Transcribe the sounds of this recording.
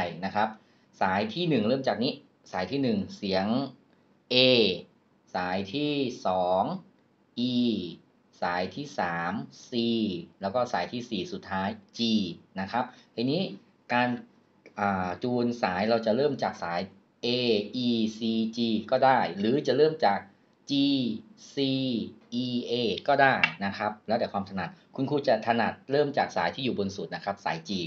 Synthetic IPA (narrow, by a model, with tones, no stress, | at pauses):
a˥˩jna˦˥kʰa˦˥p̚ | saː˩˦jt̪ʰiː˥˩nɯ˨˩ŋɾɤː˥˩mt͡ɕaː˨˩k̚niː˦˥ | saː˩˦jt̪ʰiː˥˩nɯ˨˩ŋsi˩˦əŋ | ʔeː˧˩ | saː˩˦jt̪ʰiː˥˩sɔː˩˦ŋ | ʔiː˧ | saː˩˦jt̪ʰiː˥˩saː˩˦msiː˨˩lɛː˦˥wkɔː˥˩saː˩˦jt̪ʰiː˥˩siː˨˩su˨˩t̪ʰːaː˦˥jt͡ɕiː˧na˦˥kʰa˦˥p̚ʔa˧jniː˦˥ | kaː˧n | ʔaː˨˩t͡ɕuː˧nsaː˩˦jɾa˧wt͡ɕa˨˩ɾɤː˥˩mt͡ɕaː˨˩k̚saː˩˦j | ʔeː˧ʔiː˧siː˧t͡ɕiː˧kɔː˥˩daː˥˩jɾɯː˨˩˦t͡ɕa˨˩ʔɾɤː˥˩mt͡ɕaː˨˩k̚ | t͡ɕiː˧ | siː˧ʔiː˧ʔeː˧˩kɔː˥˩daː˥˩jna˦˥kʰa˦˥p̚lɛː˧˦˥wd̪ɛː˨˩kʰwaː˧mt̪ʰa˧na˨˩t̪̚kʰu˧nkʰuː˧t͡ɕa˨˩t̪ʰa˧na˨˩t̪̚ɾɤː˥˩mt͡ɕaː˨˩k̚saː˩˦jt̪ʰiː˥˩juː˨˩bo˧nsu˨˩t̪̚na˦˥kʰɾa˦˥p̚sa̰ː˩˦jt͡ɕiː˧